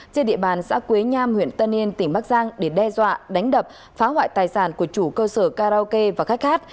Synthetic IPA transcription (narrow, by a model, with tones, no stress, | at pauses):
t͡ɕe˧nɗḭ˧˨əɓaː˨˩nsa̰ː˧˥kwi˨˦ɲaː˧mhwḭ˧˨ənt̪ə˧nːi˧ənt̪ï˧˩ŋ̟ɓaː˦˥k̚zaː˧ŋɗe˧˩ɗɛ˧zwa̰ː˧˨ɗa˨˦jŋ̟ɗə˨˩p̚ | faː˨˦hwa̰ː˧˨jt̪aː˨˩jsaː˧˩nku˧˩ət͡ɕu˧˩kəː˧səː˧˩kaː˧ɾa˧ke˧vaː˨˩xa˦˥k̟̚xaː˦˥t̚